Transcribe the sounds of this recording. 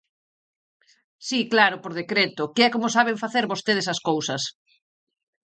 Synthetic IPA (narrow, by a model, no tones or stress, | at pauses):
siklaɾʊpoɾðekɾet̪ʊkɪɛkomʊsaβ̞eɱfaθeɾβost̪eð̞esɐskowsɐs